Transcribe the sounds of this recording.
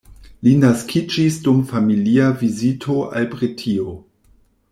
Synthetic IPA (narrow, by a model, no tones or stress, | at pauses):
linaskʰid͡ʒisdumfamiliavizitʰoa̰lpɾitʰio